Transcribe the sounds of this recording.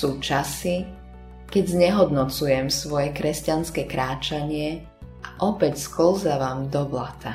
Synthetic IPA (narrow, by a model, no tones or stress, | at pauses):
uːt͡ʃasi | kɛɟzɲɛɦɔd̪nɔt͡sujɛmsʋɔjɛkɾɛscanskɛkɾaːt͡ʃaɲɪɛ | aʔɔpɛcskl̩zaʋaːmd̪ɔblat̪a